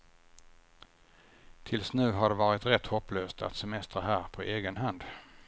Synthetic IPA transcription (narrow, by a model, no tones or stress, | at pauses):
t̪ʰɪlsnʉ̟ːɦaɖɛvɑːɾɪt̪ɾɛt̪hɔpːløːst̪ʰa̰t̪sɛmɛst̪ɾaɦæːɾpʰɔʔeːɡənɦand̪